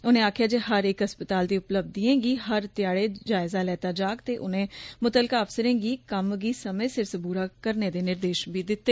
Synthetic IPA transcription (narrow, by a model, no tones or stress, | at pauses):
ʊnẽːaːkʰjaːd͡ʒeːɦəɾeːkɦəspət̪aːld̪iːʊpləb̚d̪iẽːɡiːɦəɾt̪ɪjaːɽeːd͡ʒaːɪzaːlɛːt̪aːd͡ʒaːkt̪eːʔʊnẽːmʊt̪əlkaːəpsəɾẽːɡiːkəmɡiːsəmẽːsɪɾsəbuːɾaːkəɾneːd̪eːnɪɾd̪eːʃbiːd̪ɪt̪ːeː